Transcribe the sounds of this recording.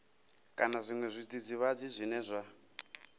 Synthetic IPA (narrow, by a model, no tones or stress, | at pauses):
kʼanazʷiŋwɛzʷitʼid͡ziβad͡zizʷinɛzʷa